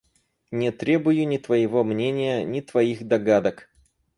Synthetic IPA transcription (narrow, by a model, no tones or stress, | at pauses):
nʲɪt̪ɾʲe̞bʊjʊnʲɪt̪vəjɪvomnʲenʲɪjənʲɪt̪vɐixd̪ɐɡad̪ək